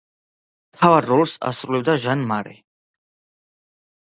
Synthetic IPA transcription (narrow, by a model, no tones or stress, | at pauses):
t̪ʰavarːɔlsa̰sɾulɛb̚d̪aʒanmaɾḭ